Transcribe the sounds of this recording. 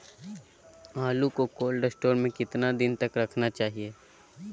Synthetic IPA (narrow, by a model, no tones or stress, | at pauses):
aːlukokoːlɖɐsʈoːɾmẽkɪt̪nad̪ɪnt̪ɐkɾɐkʰnat͡ʃaːɦieː